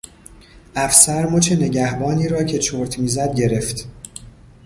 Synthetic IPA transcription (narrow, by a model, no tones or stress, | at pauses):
ʔæfsæɾmot͡ʃʰene̞ɟæhbɒːniːɾɒːcʰe̞t͡ʃʰoːɾt̪ʰmiːzæd̪̚ɟe̞ɾe̞ft̪